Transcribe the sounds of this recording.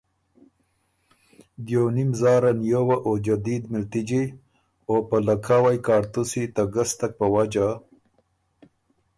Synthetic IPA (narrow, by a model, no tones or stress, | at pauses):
d̪jonimzɑːɾanjowaʔod͡ʒad̪id̪mɪlt̪id͡ʒi | opəlakʰawajkɑɾt̪usit̪aɡast̪ak̚pəwad͡ʒa